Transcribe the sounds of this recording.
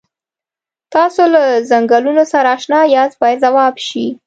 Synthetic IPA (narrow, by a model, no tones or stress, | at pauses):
t̪ɑsolazaŋɡalunosaɾaːʃnɑjɑzbɑjad̪zawɑbʃi